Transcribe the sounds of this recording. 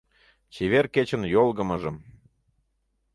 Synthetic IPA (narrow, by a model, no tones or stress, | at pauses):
t͡ɕeβerket͡ɕə̆njolˠɣə̆mə̆ʒəm